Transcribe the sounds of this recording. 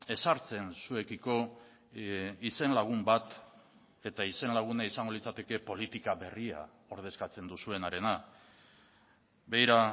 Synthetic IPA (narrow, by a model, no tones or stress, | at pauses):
e̞saɾt͡se̞nsue̞kiko̞ | ise̞nlaɣ̞umbat̪ | e̞t̪aise̞nlaɣ̞unaisaŋɡo̞lit͡sat̪e̞ke̞po̞lit̪ikaβe̞ria̰ | o̞ɾð̞e̞skat͡se̞nd̪usue̞naɾe̞na | bejɾa